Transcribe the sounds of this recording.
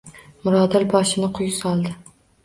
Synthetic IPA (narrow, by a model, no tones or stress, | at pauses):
mʊɾɒd̪ɪlbɒʃɪnɪqʰʊjsɒlˠd̪ɪ